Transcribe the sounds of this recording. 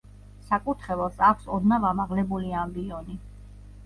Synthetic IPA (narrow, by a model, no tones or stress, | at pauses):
sakʼut̪ʰχɛvɛlsakʷʰsɔd̪navamaʁlɛbuliambiɔni